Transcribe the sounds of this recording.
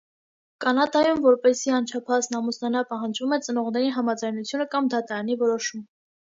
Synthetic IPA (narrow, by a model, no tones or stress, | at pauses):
kɑnɑd̪ɑjumvɔɾpɛsiɑnt͡ʃʰɑpʰɑznɑmusnɑnɑpɑɦɑnd͡ʒvumɛt͡sənɔʁn̪ɛɾiɦɑmɑd͡zɑjnut͡sʰjunəkɑmd̪ɑt̪ɑɾɑnivɔɾɔʃum